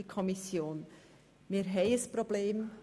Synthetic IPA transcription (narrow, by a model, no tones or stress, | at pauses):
ikʰɔmɪsjoːn | miːɾɦɛɪəspʁobleːm